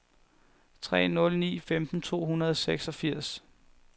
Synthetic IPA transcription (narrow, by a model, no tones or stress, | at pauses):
t͡sʰʁɛ̰ːnɔ̽lnḭːfemd̥n̩t͡sʰo̝̰ːɦunɐð̞ˠseɡ̥sɒ̽fiɐ̰s